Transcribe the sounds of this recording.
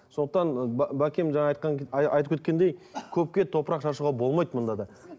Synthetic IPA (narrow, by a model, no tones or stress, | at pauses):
so̞nd̪əq̚t̪ɑnbækʲemʒɑɴɑɑjt̪̚qɑŋɑ̰jt̪əpkʲʰet̪kʲe̞nd̪e̞jkʲʰɵp̚kʲet̪ʰo̞pəɾɑqʃɑʃ̬uʁɑbo̞lˠmɑjt̪mʊnd̪ɑd̪ɑ